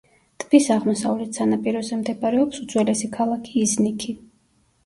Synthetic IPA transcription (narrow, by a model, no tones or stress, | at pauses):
t̪ʰʼbisaʁmɔsavlɛt̪ʰsanapʼiɾɔzɛmd̪ɛpʼaɾɛɔpsut̪z̥ʰʼwɛlɛsikʰalˠakʰiːznikʰi